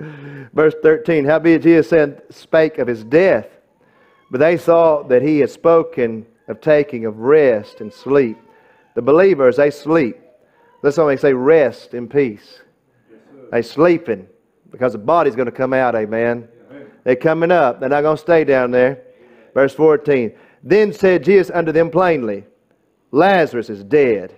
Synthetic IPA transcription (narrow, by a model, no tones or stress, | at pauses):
vɜ˞sθɜ˞tʰĩnhaʊbiɨd͡ʒiɨsɛɨ̃nspeɪkʌv̥ɨzdɛθ | b̥ʌt̪̚ðeɪsɔðɨt̚hiɨd̥spoʊkʰɨ̃n | ʌv̥tʰeɪkɪ̃ŋʌvɹɛstɨ̃n̩slip̚ | ðɨbəlivə˞zeɪslip̚ | ðætswʌðeɪseɪɹɛstɨ̃npʰis | ðeɪslipɨ̃n | b̥ɨkʰʌzðəbɑɾizɡõnɨkʰʌ̃maʊɾeɪmæ̃n | ðəkʰʌmɪ̃ŋʌp̚ɨ̃nãɪɡõʊnəsteɪdãʊ̃nðə˞ | vɜ˞sfɔɹtʰĩn | ðɨ̃nsɛd̚d͡ʒizɨsʌ̃ndə˞ðɨ̃mpʰl̥ẽɪ̃nli | læzə˞ɨsɨzdɛd̥